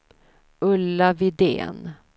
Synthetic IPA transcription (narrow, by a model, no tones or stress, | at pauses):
ɵlːavɪd̪ḛːn